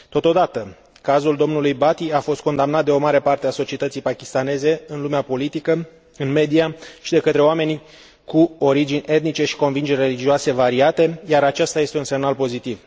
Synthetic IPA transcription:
t̪o̞t̪o̞d̪at̪ə | kazuld̪o̞mnulujbat̪iafo̞st̪̚ko̞nd̪amnat̪̚d̪e̞o̞maɾe̞part̪e̞aso̞t͡ʃie̞t̪ət̪sijpakʲist̪ane̞ze̞ɨnlumeapo̞lit̪ikə | ɨnme̞d̪iaʃid̪e̞kət̪ɾe̞oame̞ni | kuo̞ɾid͡ʒinʲe̞t̪̚nit͡ʃe̞ʃi̥ko̞nvind͡ʒeɾre̞lid͡ʒioase̞vaɾiat̪e̞jaɾat͡ʃast̪aje̞st̪e̞unse̞mnalpo̞zit̪iv

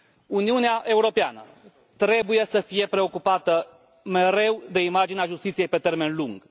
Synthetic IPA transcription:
uniuneaʔe̞uɾo̞pea̰nə̰ | t̪ɾe̞buje̞səfije̞pɾe̞o̞kupat̪ə | me̞ɾe̞wd̪e̞imad͡ʒineaʒust̪it̪sije̞jpe̞t̪e̞rme̞nluŋɡ̥

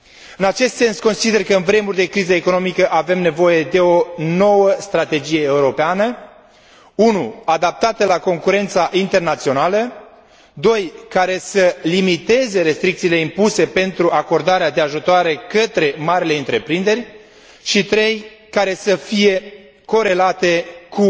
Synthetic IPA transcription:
ɨnat͡ʃe̞st̪se̞nsko̞nsid̪e̞rkəɨnvɾe̞murʲd̪e̞kɾizəeko̞no̞mikəʔave̞mne̞vo̞je̞d̪e̞o̞no̞wəst̪ɾat̪e̞d͡ʒije̞ːuɾo̞peanə | unuad̪ap̚t̪at̪əlako̞ŋkuɾe̞nt̪saʔint̪e̞rnat̪sio̞nalə | d̪o̞jkaɾe̞səlimit̪e̞ze̞ɾe̞st̪ɾik̚t̪sileimpuse̞pe̞nt̪ɾuako̞rd̪aɾead̪e̞aʒut̪oaɾe̞kət̪ɾe̞maɾile̞ɨnt̪ɾe̞pɾind̪e̞rʲ | ʃit̪ɾe̞j | kaɾe̞səfije̞ | ko̞ɾe̞lat̪e̞ku

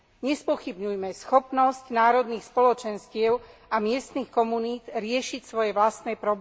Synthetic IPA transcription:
ɲɛspɔxibɲujmɛsxɔpnɔscnaːɾɔd̪niːxspɔlɔt͡ʃɛnscɪɛʊamɪɛst̪nixkɔmuniːt̪ɾɪɛʃicsʋɔjɛʋlast̪nɛːpɾɔb

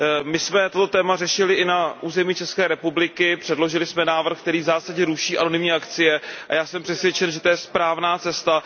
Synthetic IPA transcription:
mɪsmɛt̪o̞t̪o̞t̪ɛːmarɛʃɪlɪʔɪnaʔuːzɛmiːt͡ʃɛskɛːɾɛpublɪkɪpr̝̥ɛdlo̞ʒɪlɪsmɛnaːvr̩xk̚t̪ɛɾiːvzaːsaɟɲɛɾuʃiːʔano̞nɪmɲiːakt͡sɪjɛʔʔajaːsɛmpr̝̥ɛsvjɛt͡ʃɛnʒɛt̪ojɛspɾaːvnaːt͡sɛst̪a

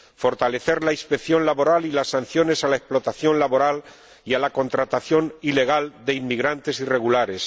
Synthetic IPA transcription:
fo̞ɾt̪ale̞θe̞ɾlaispe̞kθjo̞nlaβo̞ɾalilasːan̟θjo̞ne̞salaesplo̞t̪aθjo̞nlaβo̞ɾal | ialako̞nt̪ɾat̪aθjo̞nile̞ɣ̞ald̪e̞inːiɣɾant̪e̞sire̞ɣulaɾe̞s

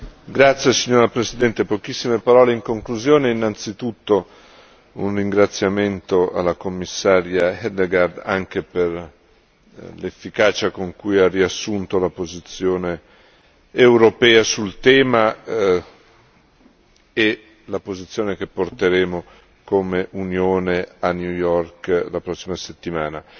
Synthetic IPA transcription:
ɡɾat̪sjesiɲːoːɾapɾesid̪ɛnt̪epokisːimepaɾɔːleiŋkoŋkluzjoːneinːant̪sit̪ut̪ːo | unriŋɡɾat̪sːjament̪oa̰lːakomːisːaːɾjaɛd̪eɡard̪aŋkeper | lefːikaːt͡ʃakoŋkujarːiasːunt̪olapozit̪sjoːneː | wɾopɛːasult̪ɛːma | e | lapozit̪sːjoːnekepːort̪eɾɛːmo | komeʔunjoːneanjujɔrklapɾɔsːimaset̪ːimaːna

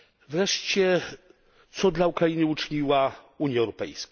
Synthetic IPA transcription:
vɾɛʂt͡ɕɛ | t̪sɔd̪laukɾainɘut͡ʂɘɲiwa | uɲjaɛwɾɔpɛ̰jska

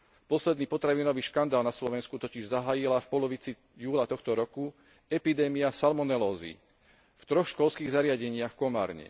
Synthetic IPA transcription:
pɔslɛd̪niːpɔt̪ɾaʋinɔʋiːʃkand̪aːlnaslɔʋɛnskut̪ɔciʒzaɦaːjilafpɔlɔʋit͡si | juːlat̪ɔxt̪ɔɾɔku | ɛpid̪ɛːmiasalmɔnɛlɔːzḭ | ft̪ɾɔxʃkɔlskiːɣzaɾɪaɟɛɲɪaxkɔma̰ːɾɲɛ̰

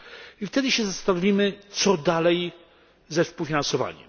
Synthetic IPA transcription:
ift̪ɛd̪ɘɕɛzast̪anɔvʲimɘt̪sɔd̪alɛj | zɛfspuwfʲinansɔva̰ɲɛ̰m

